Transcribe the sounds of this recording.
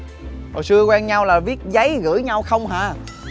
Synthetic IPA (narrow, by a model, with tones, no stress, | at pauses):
ho̰˨˩jsɨ˧əkwɛː˧nɲa˧wlaː˨˩vi˦˥ət̚zə˨˦jɣɨ̰˧˥jɲa˧wxə˧wŋ͡mɦa̰ː˧˨